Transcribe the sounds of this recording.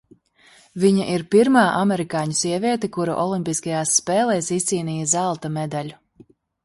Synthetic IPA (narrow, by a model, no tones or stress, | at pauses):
viɲaʔiɾpiɾmaːʔamɛɾikaːɲusiɛvʲiɛt̪ɛkuɾṵʔɔlˠimʲpiskajaːsːpɛːlˠɛːsist̪siːniːjɐzalˠt̪amɛd̪alʲu